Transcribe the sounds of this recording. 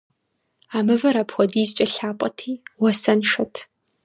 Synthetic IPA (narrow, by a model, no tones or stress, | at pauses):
aːmɨvɐɾapxʷɔdiːzt͡ʃʼɐɬaːpʷʼɐtʰiːwɐsɐnʂɐtʰ